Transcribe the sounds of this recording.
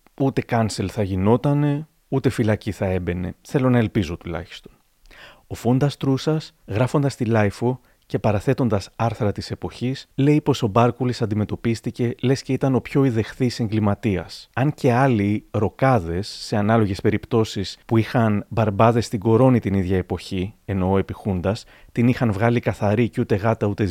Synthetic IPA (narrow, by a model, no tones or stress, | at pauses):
ut̪e̞kɐnse̞lθɐʝino̞t̪ɐne̞ | ut̪e̞filɐciθɐe̞be̞ne̞̰θe̞lo̞nɐe̞lpizo̞t̪ulɐ̰çi̥st̪o̞n | o̞fo̞nd̪ɐst̪ɾusɐsɣɾɐfo̞nd̪ɐst̪ilɐjfo̞ | ce̞pɐɾɐθe̞t̪o̞nd̪ɐsɐɾθɾɐt̪ise̞po̞çisle̞ipo̞so̞bɐɾkulisɐnd̪ime̞t̪o̞pist̪ice̞le̞sce̞it̪ɐno̞pço̞iðe̞xθise̞ŋɡlimɐt̪iɐ̰sɐnce̞ɐliɾo̞kɐðe̞sːe̞ɐnɐlo̞ʝe̞spe̞ɾipt̪o̞sispuixɐnbɐɾbɐðe̞st̪iɡo̞ɾo̞nit̪iniðʝɐepo̞çie̞no̞epixund̪ɐs | t̪inixɐnvɣɐlikɐθɐɾicut̪e̞ɣɐt̪ɐut̪e̞